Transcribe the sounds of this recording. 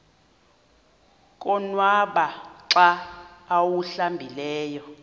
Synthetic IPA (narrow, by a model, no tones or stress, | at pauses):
kʼɔnwaɓaǀaː | wuɬambʱilɛːjɔ